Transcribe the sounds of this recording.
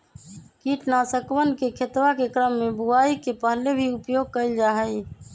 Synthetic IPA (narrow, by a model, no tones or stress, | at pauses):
kiːʈnasəkʋənkekʰet̪ʋakekɾəmːẽbuaːikepəɦlebʱiʊpjoːɡ̚kəɪld͡ʒaːɦəi